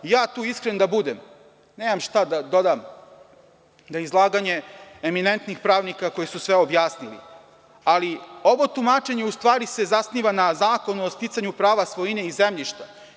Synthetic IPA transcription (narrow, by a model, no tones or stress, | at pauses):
jaːt̪uːiskɾend̪abud̪em | neːmamʃt̪ad̪ad̪o̞d̪am | d̪aizlˠaːɡaɲe̞emine̞nt̪nixpɾaːʋnikako̞jesusʋeobjaːsnilḭ | alio̞ʋo̞t̪umat͡ʂe̞ɲeust̪ʋaːɾise̞zasniʋanazaːko̞nuost̪it̪saɲupɾaːʋasʋojine̞izemʎiʃt̪a